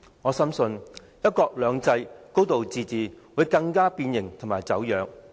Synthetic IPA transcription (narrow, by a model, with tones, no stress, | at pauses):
ŋɔː˨˧sɐ˥msɵ˧n | jɐ˥t̚kɔː˧k̚lœː˨˧ŋt͡sɐ˧jko˥wt̪o˨wt͡siː˨t͡siː˨˩wuː˨˥jkɐ˧ŋkaː˥piː˧njɪ˨˩ŋt̪ʰʊ˨˩ŋmaː˨˩jt͡sɐ˨˥wjœː˨˧k̚